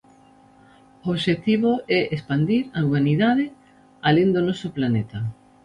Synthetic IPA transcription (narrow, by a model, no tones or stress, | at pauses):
ooβʃet̪iβoɛʔespand̪iɾauβaniðaðɪ | aleŋd̪onɔsʊplanet̪ɐ